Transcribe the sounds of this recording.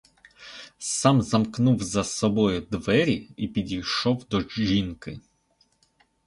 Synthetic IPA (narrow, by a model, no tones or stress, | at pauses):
sɑmzɐmknuwzɐsɔbɔjʊd̪ʋɛɾʲiipʲidʲijʃɔwd̪ɔʒinkɪ